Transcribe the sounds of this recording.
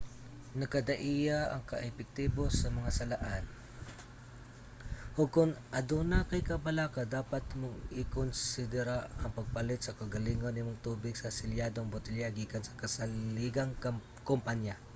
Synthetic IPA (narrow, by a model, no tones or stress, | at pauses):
nɐkɐd̪ɐʔijaʔɐ̰ŋkɐ̰ʔɛpɛk̚t̪iːbosɐmɐŋasɐlaʔan | hʊɡ̚kʊŋʔɐd̪unakɐjkɐbɐlaːkɐd̪aːpat̪mʊɡɪkonsɪd̪ɛɾaɐŋpɐɡ̚palɪt̪sɐkɐɡɐliːŋonɪmoŋt̪uːbɪɡsɐsɪljaːd̪oŋbʊt̪ɪljaɡiːkɐnsɐ̥kɐsɐliɡɐŋ | kompanja